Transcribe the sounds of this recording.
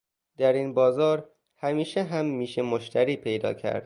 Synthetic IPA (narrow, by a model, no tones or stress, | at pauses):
d̪æɾiːnbɒːzɒːɾ | hæmiːʃeɦæmːiːʃemoʃt̪æɾiːpʰe̞jd̪ɒ̰ːcʰæ̰ɾd̪̥̚